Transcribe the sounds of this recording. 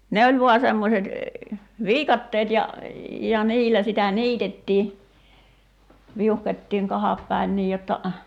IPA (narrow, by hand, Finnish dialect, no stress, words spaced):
ne olʲ ʋuɑ semːoset ʋiːkɑtːeːt jɑ jɑ niːlæ sitæ niːtetːiː ʋiuhkotʲtiːŋ kɑhɑp pæin niːj jotːɑ